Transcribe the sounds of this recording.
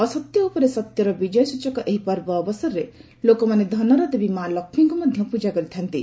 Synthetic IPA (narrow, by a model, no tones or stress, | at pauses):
ɔsɔt̪jɔupɔɾesɔt̪jɔɾɔbid͡ʒɔjɔsut͡ʃɔkɔʔeɦipɔɾbɔːbɔsɔɾɾe | lokɔmaned̪ʱɔnɔɾɔd̪ebimalɔkʰmɔŋkumɔd̪ʱjɔpud͡ʒakɔɾit̪ʰant̪i